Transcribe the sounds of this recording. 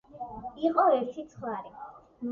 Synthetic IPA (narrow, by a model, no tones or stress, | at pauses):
iqʼɔɛɾt̪ʰit̪sʰχwaɾi